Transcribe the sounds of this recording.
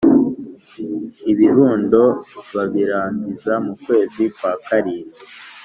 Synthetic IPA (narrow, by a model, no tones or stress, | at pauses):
iβiɾuːndo̞βaβiɾaːɲɟizamukwe̞ːzikwaːkaɾiːɾi